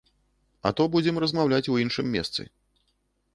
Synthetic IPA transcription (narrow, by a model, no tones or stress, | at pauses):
ɐ̰t̪ɔbud͡zʲɛmrɐzmawlʲat͡sʲuinʂɨmʲːɛ̰st̪sɨ̰